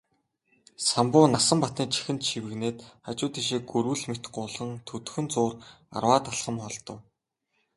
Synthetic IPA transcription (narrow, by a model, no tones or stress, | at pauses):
sampʊːnasə̆mpat̪niːt͡ɕʰi̥xɘ̆nt̪ʃʰiwɘ̆ɣneːt̪at͡ɕʊːt̪iːŋʃ̬iːɡɵɾwɘ̆ɮmet̪ɢʊːɮʁə̆ŋt̪ʰɵt̪ɵ̥̆xɵ̆nt͡sʊːr | a̰rwaːt̪aɮχə̆mχɔɮt̪ɞ̆w